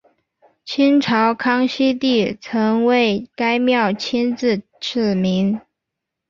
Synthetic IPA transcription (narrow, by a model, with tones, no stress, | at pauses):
t͡ɕʰi˥nʈ͡ʂʰɑ˧˥ʊkʰɑ˥ŋɕi˥t̪i˥˩t͡sʰɤ˧˥ŋwe˥˩ɪka˥ɪmjɑ˥˩ʊt͡ɕʰi˥nt͡sɹ̩˥˧ʈ͡ʂ̩ʰ˥˩mi˧˥ŋ